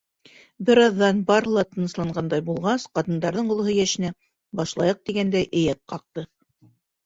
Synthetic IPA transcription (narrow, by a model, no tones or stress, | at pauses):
bɘ̆ɾɑðːɑnbɑɾɤ̆lˠɑt̪ɤ̆nɤ̆slˠɑɴɢɑnd̪ɑjbulˠʁɑsqɑt̪ɤ̆nd̪ɑɾðɤɴŏlˠɤ̆hɤjæʃɘ̆næ | bɑʃlˠɑjɤq̚t̪iɡænd̪æjʔɘ̆jæt̪̚qɑq̚t̪ɤ